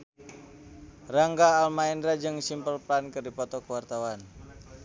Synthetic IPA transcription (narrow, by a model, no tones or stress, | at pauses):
raŋɡaːlmaɛndɾad͡ʒɨŋsimpəlpɾankɨrdipɔt̪ɔkəwart̪awan